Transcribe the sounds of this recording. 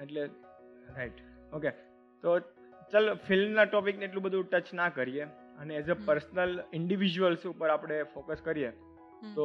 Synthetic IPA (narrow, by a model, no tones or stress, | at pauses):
eʈle | ɾaiʈ | oke | t̪o | t͡ʃəlfɪlmnaʈɔpikneeʈlũbəd̪ʱũʈət͡ʃnakəɾije | əneːzepəɾsnəlɪɳɖiʋid͡ʒuʋəlsupəɾapɽ̃efokəskəɾije | t̪o